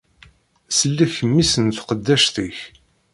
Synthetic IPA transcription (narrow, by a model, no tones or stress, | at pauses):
səlːæçəmːisənθqəd̪ːæʃθiç